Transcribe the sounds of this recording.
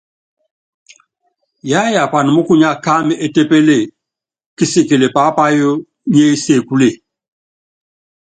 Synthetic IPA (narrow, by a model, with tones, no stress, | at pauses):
ja˦ja˨pa˨ni˨mʊ˦ku˦ɲa˦ka˦mɪ˦˨ʔe˦te˦pe˦le˦˨ | kɪ˦si˦˨ke˨le˨pa˦pa˦jo˦ | ɲe˦se˨ku˦le˨